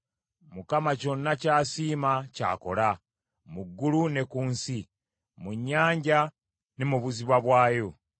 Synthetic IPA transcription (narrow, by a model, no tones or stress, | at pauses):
mukamaco̞nːacaːsiːmaca̰ːko̞̰la | muɡːulune̞kuːnsi | muɲːaːɲɟa | ne̞muβuziβwaβwaːjo̞